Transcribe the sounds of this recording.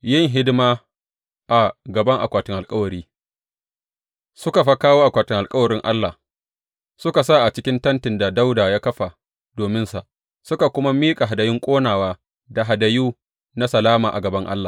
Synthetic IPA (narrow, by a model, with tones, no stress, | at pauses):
jɪ˦˨ŋɦɪ˦dɪ˦ma˦ | ʔa˨ɡɐ˨bɐ˦ŋʔa̰˨kʷaː˨tɪ˦ŋʔa˨kʼɐ˦wɐ˨ɾiː˦ | sʊ˦ka˨ɸa˦kaː˦woː˦ʔa˨kʷaː˨tɪ˦ŋʔa˨lkʼɐ˦wɐ˨ɾɪ˦ŋʔa̰˦lːa˨ | sʊ˦ka˨sa˦˨ʔa˨t͡ʃɪ˦kʲɪ˦ntɐ˦ntɪ˨nda˨da˦wdaː˨jaː˦kɐ˦ɸa˨ | doː˨mɪ˦nsa˨ʔ | sʊ˦ka˨kʷʊ˦ma˦miː˦kʼa˨ɦa˨dɐ˨jɪ˦ŋkʷʼoː˦naː˨waː˦ | da˨ɦa˨da˨juː˦ | na˦sɐ˨laː˦maː˨ʔa˨ɡɐ˨bɐ˦ŋʔa̰˦lːaː˨